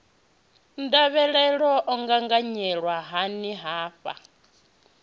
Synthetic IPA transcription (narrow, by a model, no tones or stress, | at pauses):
ndaβɛɺɛɺɔʔɔŋɡaŋɡaɲɛɺwaɦaniɦaːɸa̰